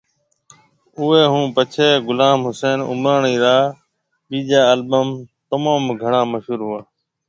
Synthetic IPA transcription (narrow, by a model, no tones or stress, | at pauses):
ʊːeːɦũːpət͡ʃʰeːɡʊlaːmɦʊseːnʊ̰mɾaːɳiːɾaː | ɓiːd͡ʒaːəlbəmt̪əmãːmɡʱəɳãːməʃɦuːɾɦʊaː